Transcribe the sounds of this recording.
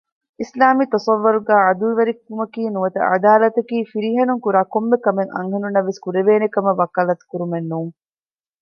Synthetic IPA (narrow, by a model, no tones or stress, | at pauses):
ʔislaːmiːt̪ɐsɐʋːɐɾuɡæːɐd̪ulʋɐɾikːumɐkiːnuʋɐt̪ɐ̰ʔɐ̰d̪aːlɐt̪ɐkiːfiɾiɦɐnuŋkuɾaːkomːekɐmeŋʔɐ̰ŋɦɐnunːɐʋːeskuɾeʋeːnekɐmɐʋɐkɐːlɐt̪u̥kuɾumenːuːŋ